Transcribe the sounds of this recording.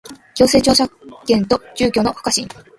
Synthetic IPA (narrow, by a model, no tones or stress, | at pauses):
kʲo̞ːse̞ːt͡ɕo̞ːɕakẽ̞nt̪o̞d͡ʑɨːkʲo̞ːnohḁkaɕĩn